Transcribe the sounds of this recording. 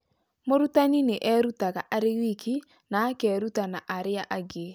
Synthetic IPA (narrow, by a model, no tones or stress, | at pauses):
moɾutanineʔɛɾutaɣaʔaɾewikʰi | naːkɛɾutanaʔaɾeaʔaɡe